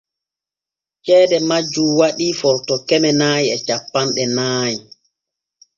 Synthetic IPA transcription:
t͡ʃɛːdɛmad͡ʒːuwaɗifɔɾtɔkɛmɛnaːjiɛt͡ʃapːanɗɛnaːji

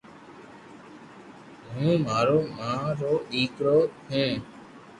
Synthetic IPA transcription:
ɦũːmaːɾoːmãːɾoːʔiːkɽoːɦũː

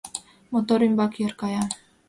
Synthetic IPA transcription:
mot̪oɾymbɑkjeɾkɑjɑ

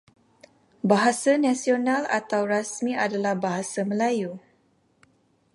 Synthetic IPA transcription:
baɦasanãsionãla̰t̪awrasmĩadalahbaɦasaməlaju

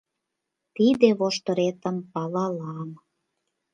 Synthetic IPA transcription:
t̪id̪eβoʃt̪ə̆ɾet̪əmpɑlɑlɑm

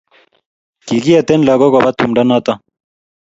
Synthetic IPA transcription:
kiɡijɐt̪enlɐɡoɡobɐt̪̚ʰumɖɐnaːt̪ɐ

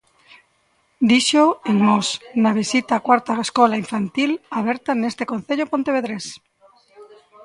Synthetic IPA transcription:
d̪iʃoeŋnosnaβ̞isit̪akwaɾt̪aeskolaiɱfant̪ilaβ̞eɾt̪anest̪ekõn̟θeʎopont̪eβeðɾes

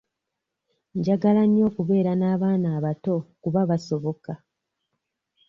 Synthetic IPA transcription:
ɲɟaɡalaɲːo̞ːkuβe̞ːɾanaːβaːnaːβato̞kuβaβaso̞βo̞ka

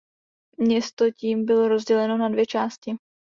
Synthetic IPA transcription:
mɲɛst̪o̞ciːmbɪlo̞ɾozɟɛlɛno̞nadvjɛt͡ʃaːscɪ

